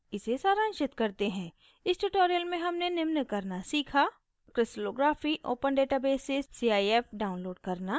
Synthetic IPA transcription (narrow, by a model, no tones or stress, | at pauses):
ɪsesaːɾãːnʃɪt̪kɐɾt̪eɦɛ̃ː | ɪsʈuːʈoːɾijəlmẽɦɐmnenɪmnəkɐɾnasiːkʰaː | kɾɪsʈloːɡɾaːfiʔoːpənɖeːʈabeːsesːiaːieːfɖaːʊ̃nloːɖkɐɾna